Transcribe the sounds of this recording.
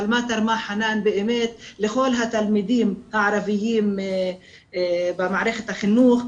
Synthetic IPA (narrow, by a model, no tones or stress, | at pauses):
almat̪ɑɾˤmaħanaːnbɪʔɪmeːt̪lɪxoːlɦat̪almid̪iːmʔaʕɾˤɑvɪjiːm | bɪmaʕɾext̪ʔaxɪnːuːx